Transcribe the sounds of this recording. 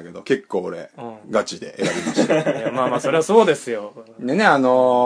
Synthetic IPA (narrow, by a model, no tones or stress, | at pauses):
ke̞d̪o̞ke̞kʰːoːɾẽ̞̰ɡat͡ɕid̪e̞̰ʔeɾabʲimaɕt̪ejamaːmaːso̞ɾe̞βaso̞ːd̪e̞sɨjonene̞ano